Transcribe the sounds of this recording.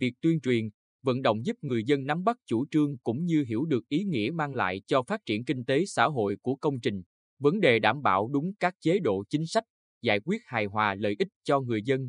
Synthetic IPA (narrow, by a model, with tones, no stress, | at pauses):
vi˨˩ək̚t̪wi˧ənt͡ɕwi˨˩ən | və̰˧˨nɗə̰˧˨wŋ͡mzu˦˥p̚ŋɨ˨˩əjzə˧nːa˨˦mɓa˦˥k̚t͡ɕu˧˩t͡ɕɨ˧əŋkʊ̰˧˥ŋ͡mɲɨ˧ɦḭ˧˩əwɗɨ˨˩ək̚ʔi˨˦ŋḭ˧˥əmaː˧ŋla̰ː˧˨jt͡ɕɔ˧faː˦˥t̚t͡ɕi˧˩ənkï˧ŋ̟t̪e˨˦sa̰ː˧˥ɦo̰˧˨jku˧˩əkə˧wŋ͡mt͡ɕï˨˩ŋ̟ | və˨˦nɗe˨˩ɗaː˧˩mɓa̰ː˧˩wɗʊ˨˦ŋ͡mkaː˦˥k̚t͡ɕe˨˦ɗo̰˧˨t͡ɕï˨˦ŋ̟sa˦˥k̟̚ | za̰ː˧˨jkwi˦˥ət̚haː˨˩jɦwaː˨˩lə̰ː˧˨jʔi˦˥t̟̚t͡ɕɔ˧ŋɨ˨˩əjzə˧n